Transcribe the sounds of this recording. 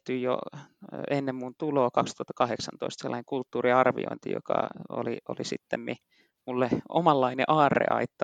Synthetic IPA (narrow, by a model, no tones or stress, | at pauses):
t̪yjjo̰ | enːemmunt̪uloːkɑkst̪uhɑt̪ːɑkɑheksɑnt̪oist̪selːɑneŋkult̪ːuːriɑrʋḭo̰int̪ḭjo̰kɑ̰o̰liolisit̪ːemmi | mulːeo̰mɑlːɑineʔɑːrːḛɑ̰it̪ːɑ